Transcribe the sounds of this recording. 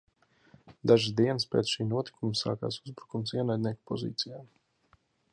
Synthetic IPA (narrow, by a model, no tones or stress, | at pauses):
d̪aʒɨsd̪iɛnəspɛ̰t̪ʃiːnuɔt̪i̥kʰumsa̰ːka̰ːsuzbɾukumsiɛnajd̪ʲnʲiɛku̥pɔzḭːt̪sijaːm